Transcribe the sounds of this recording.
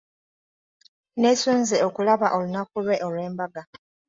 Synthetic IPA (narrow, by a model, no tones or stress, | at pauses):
ne̞suːnzeo̞kulaβaʔo̞lunakulwe̞ʔolwe̞ːmbaɡa